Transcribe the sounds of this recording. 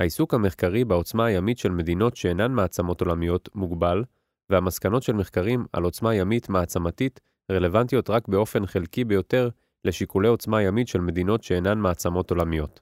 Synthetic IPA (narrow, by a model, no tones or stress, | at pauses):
haisukhame̞χkaʁibeo̞t͡smaːjamitʃe̞lme̞dino̞tʃe̞ːnanmaːt͡samo̞tolamijo̞t̪muɡbal | vehamaskano̞tʃe̞lmeχkaʁima̰lo̞t͡smajamitmaːt͡samatit | ʁe̞le̞vantijo̞tʁakbe̞o̞fe̞nχelkibejo̞te̞ʁ | le̞ʃikule̞o̞t͡smajamitʃe̞lme̞d̪ino̞tʃe̞ːnanmaːt͡samo̞to̞lamijo̞t